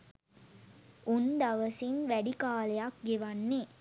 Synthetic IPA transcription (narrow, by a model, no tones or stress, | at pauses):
und̪ɐʋɐsinʋæɖikaːlejɐkɡeʋanːe